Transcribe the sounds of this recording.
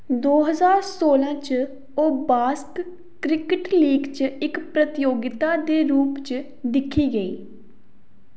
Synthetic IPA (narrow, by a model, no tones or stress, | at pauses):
d̪oːɦəzaːɾsoːlãːt͡ʃ | oːbaːsk | kːɾɪkəʈliːɡt͡ʃɪkpɾət̪ɪjoːɡɪt̪aːd̪eːɾuːpt͡ʃ | d̪ɪkʰːiːɡəḭː